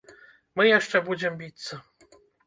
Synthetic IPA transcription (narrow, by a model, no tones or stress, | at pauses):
mɨjaʂt͡ʂɛbud͡zʲɪmbʲit̪sɐ